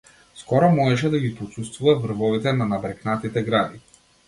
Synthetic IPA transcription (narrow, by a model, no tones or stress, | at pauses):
skɔɾɔmɔʒɛʃ̬ɛd̪aɡipɔt̪sust̪vuvavr̩vɔvit̪ɛnanabɾɛknat̪it̪ɛɡɾad̪i